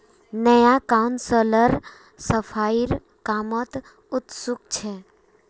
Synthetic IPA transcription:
nəjakaunsələɾ | səpʰaiɾ | kamət̪ | ut̪sukt͡ʃʰɛ

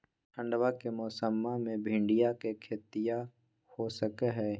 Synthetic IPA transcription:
ə̃ɳɖwakemɔːsəmːamẽbʱɪ̃ɳɖɪjakekʰet̪ɪja | hosəkeɦɛː

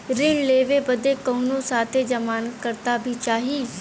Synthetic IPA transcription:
ɾɪɳleːʋebəd̪ekoːnõsaːt̪ʰed͡ʒəmaːnkəɾt̪abʱit͡ʃaːɦiː

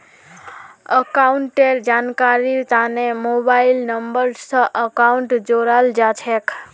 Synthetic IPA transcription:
əkauɳʈeɾd͡ʒankaɾiɾt̪anemobailnəmbəɾsə̃ʔəkauɳʈd͡ʒoɾald͡ʒat͡ʃʰek

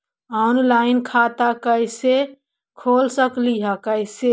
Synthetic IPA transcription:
ɔnlaɪnkʰat̪akəɪse | kʰoːlsəkliɦəkəɪse

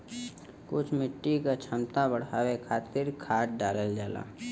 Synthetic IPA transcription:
kʊt͡ʃʰmɪʈːikat͡ʃʰəmt̪ãbəɽ̤aːwekʰaːt̪ɪɾkʰaːʈ̚ɖaːləld͡ʒaːla̰ː

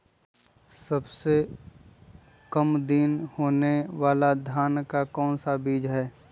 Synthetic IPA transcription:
sɐbse | kɐmd̪inhoːneʋaːlad̪ʱjaːnkakɔːnsabiːd͡ʒɦɛː

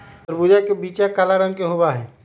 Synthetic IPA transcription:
əɾbud͡ʒakebiːt͡ʃakaːlaɽə̃ŋkeɦobaɦɛː

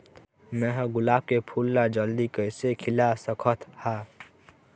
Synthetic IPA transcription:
meɦɡʊlaːb̚kepʰulːad͡ʒəld̪ikəjsekʰilasəkʰət̪ha

